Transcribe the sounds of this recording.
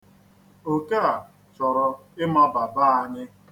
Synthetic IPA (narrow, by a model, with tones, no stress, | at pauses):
o˨ke˦a˨ | t͡ʃɔ˨ɾɔ˨ | ɪ˦ma˦ba˨ba˦a˨ɲɪ˦